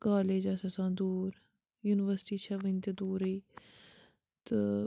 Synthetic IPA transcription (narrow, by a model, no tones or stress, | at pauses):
kaːleːd͡ʒasasãːd̪uːɾ | juːnɪʋəɾsʈiːt͡ʃʰəʋə̃nt̪ed̪uːɾəiː | t̪ə